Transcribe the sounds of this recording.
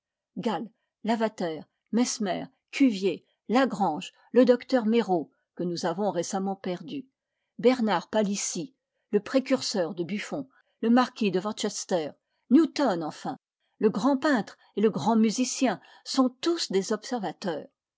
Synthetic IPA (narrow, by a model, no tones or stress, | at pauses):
ɡalː | avat̪ɛːʁ | mɛsmɛ̰ːʁ | kʲʰyvje | laɡʁɑ̃ʒ | ləd̪ɔkt̪œʁmeʁo | kənuzavɔ̃ʁesamɑ̃pɛʁd̪y | bɛʁnaʁpalisi | ləpχekʲyʁsœʁd̪əbyfɔ̃ | ləmaʁkʲid̪əvɑ̃ʁt͡ʃɛst̪ɛːʁ | njut̪ɔnɑ̃fɛ̃ | ləɡʁɑ̃pɛ̃t̪χ | eləɡʁɑ̃myzisjɛ̃ | sɔ̃t̪usd̪ezɔpsɛʁvat̪œːʁ